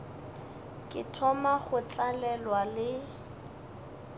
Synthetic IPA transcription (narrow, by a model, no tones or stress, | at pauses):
kʼɪtʰɔmaχʊt͡ɬʼalɛlwalɪ